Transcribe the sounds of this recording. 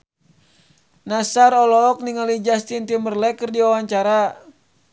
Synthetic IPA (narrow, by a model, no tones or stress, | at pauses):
nasaɾɔlɔːk̚niŋalid͡ʒast̪int̪imərlɛkərdiawaɲt͡ʃaɾa